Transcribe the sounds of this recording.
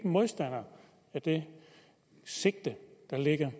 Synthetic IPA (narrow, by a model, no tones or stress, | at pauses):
mo̝ðˠsd̥æn̰ɐ | æd̥e̝ | se̝ɡ̥̚d̥əd̥ɑ̈le̝ɡ̥ɐ